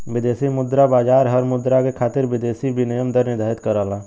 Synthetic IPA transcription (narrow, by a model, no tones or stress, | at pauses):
ʋɪd̪eːsimʊd̪ɾabaːd͡ʒaːɾɦəɾmʊd̪ɾakekʰaːt̪ɪɾʋɪd̪eːsibʱinijəmd̪əɾnɪɾd̪ʱaːɪt̪kəɾaːlãː